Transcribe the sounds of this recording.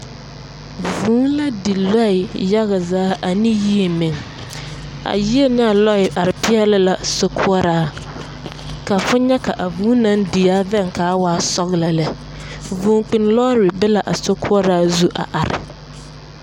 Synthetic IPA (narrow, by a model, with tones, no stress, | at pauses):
vuː˨˦nla˦di˨lɔ˦ɪ˨ja˦ɣa˨zaː˦ʔa˨ni˦ji˦e˨me˨ŋ | a̰˨ji˦e˦nɪ˦a˨lɔ˦ɪ˨ʔa˨ɾɪ˨pɪ˦ɛ˦lɪ˦la˨so˦kʰʊ˦ɔ˦ɾaː˦ | ka˨fʊ˦ɲɛ˦ka˨ʔa˨vuː˨˦nã˦ŋdi˨aː˦vɛ˦˨ŋkʰaː˨˦waː˦sɔ˦ɣla˨lɛ˨ | vuː˨ŋk͡pi˨n˦lɔː˦ɾɪ˨bɪ˦la˨ʔa˨so˦kʰʊ˦ɔ˦ɾaː˦zu˦ʔa̰˨ʔa˨ɾɪ̰˨